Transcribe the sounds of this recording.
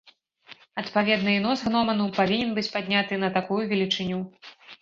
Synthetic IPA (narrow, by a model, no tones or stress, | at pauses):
ɐt̪pavʲɛd̪nɨjnɔsɣnɔmɐnupavʲinʲɛnbɨt͡sʲpad̪ʲnʲat̪ɨnɐt̪akujuvʲɛlʲit͡ʂɨnʲu